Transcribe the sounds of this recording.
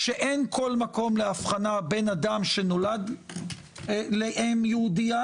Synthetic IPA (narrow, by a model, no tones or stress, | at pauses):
ʃeʔenkʰo̞lmako̞mleafχanabe̞nadamʃe̞no̞lad̪ | leʔemjeudia